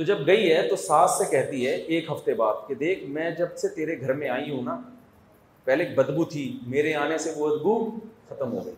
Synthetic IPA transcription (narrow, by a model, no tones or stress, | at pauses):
t̪od͡ʒɐbɡɐiɦɛt̪osaːsːekɛɦt̪iɦɛʔeːkɦɐft̪ebaːd̪̚ked̪eːkʰmɛ̃ːd͡ʒɐbset̪eːɾeɡʱɐɾmẽaːĩɦũnaː | pɛɦlek̚bɐd̪but̪ʰimeːɾeaːneseʋoɐd̪buxɐt̪əmɦo̰ːɡɐiː